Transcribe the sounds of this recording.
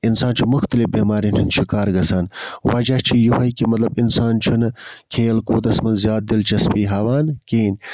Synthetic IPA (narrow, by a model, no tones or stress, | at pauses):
insaːnt͡ʃʰumuxt̪ɐlifbeːmaːɾinʰint͡ʃʰikaːɾɡɐsaːnwɐd͡ʒɐht͡ʃʰijuhɐjkimɐt̪lɐbinsaːnt͡ʃʰunɐkʰeːlkoːd̪ɐsmɐnzjaːt̪̚d̪ilt͡ʃʰɐspiːɦɐwaːnkeːn